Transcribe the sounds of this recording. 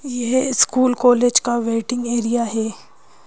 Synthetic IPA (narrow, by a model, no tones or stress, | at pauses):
jeɦɪskuːlkoːled͡ʒkaʋeːʈɪ̃ŋɡeːɾijaɦɛː